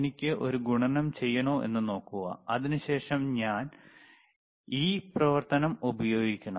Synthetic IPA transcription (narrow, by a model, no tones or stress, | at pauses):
nikʲːɨʔo̞ɾuɡuɳɐnɐmt͡ɕe̞jːɐɳoːʔe̞̰nːɨno̞ːkːuɣɐ̰ɐðinuɕe̞ːʂɐmɲaːn | iːprɐʋɐrt̪ɐnɐmubɐjo̞ːɡikʲːɐɳɐ